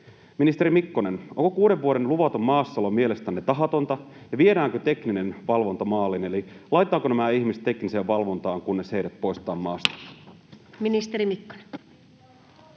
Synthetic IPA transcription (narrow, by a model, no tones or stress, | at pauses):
minist̪eɾimikːo̞ne̞noŋko̞kuːdeʋːuoɾe̞nluʋɑt̪omːɑːsːɑlomie̞le̞st̪ænːet̪ɑɦɑt̪o̞nt̪ɑ | jɑʋie̞ɾæːŋkøt̪e̞kninenʋɑlʋo̞nt̪ɑmɑːlːine̞lilɑjt̪ˑːɑːkonæmæiçmist̪ːe̞kniseːʋʋɑlʋo̞nt̪ɑːŋkunːe̞se̞jdæt̪po̞jst̪ɑːmːɑːst̪ɑ̥ | minist̪eɾimikːo̥nen